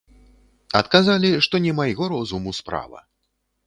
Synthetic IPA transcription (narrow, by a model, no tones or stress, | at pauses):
ɐt̪kazalʲiʂt̪ɔnʲɛmajɣɔɾɔzumuspɾa̰vɐ̰